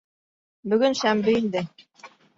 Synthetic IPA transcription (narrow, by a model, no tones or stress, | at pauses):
bɵ̆ɡɵnʃæmbɘind̪ɘ